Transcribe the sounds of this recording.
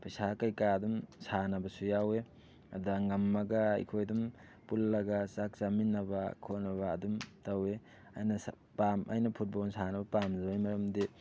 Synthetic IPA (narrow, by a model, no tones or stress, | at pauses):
pɐjsakɐjkaɐdumsanɐbɐsujawe | ɐ̰daŋɐmːɐɡɐɐ̰jkʰojdum | pulːɐɡasak̚saminːɐbɐkʰonɐβɐːdumtɐwe | ajnɐs | pamʔa̰jnɐpʰut̚bolnsanɐbɐpamzɐbajmɐɾɐmdi